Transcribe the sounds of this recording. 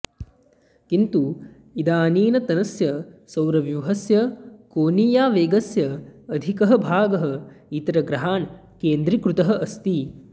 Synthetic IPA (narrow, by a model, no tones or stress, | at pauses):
kint̪u | id̪aːniːnɐt̪ɐnɐsjɐsɐwɾɐʋjuɦɐsjɐkoːniːjaːʋeːɡɐsjɐːd̪ʱikɐɦɐbʱaːɡɐɦɐ̆it̪ɾɐɡɾɐɦaːn | keːnd̪ɾikɾut̪ɐɦɐ̆ʔɐst̪i